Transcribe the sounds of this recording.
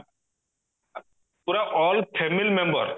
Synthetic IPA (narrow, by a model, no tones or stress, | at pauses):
puɾaʔɔlpʰemilmẽmbə̰ɾ